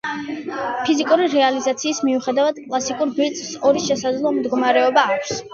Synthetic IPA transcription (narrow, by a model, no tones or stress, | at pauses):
pʰizikʼuɾiɾɛalizat̪sʰiːsmiuχɛd̪avad̪̥kʼlˠasikʼuɾbilt̪sʼsɔɾiʃɛsad̪zlˠɔmd̪ɡɔmaɾɛɔbaːkʷʰs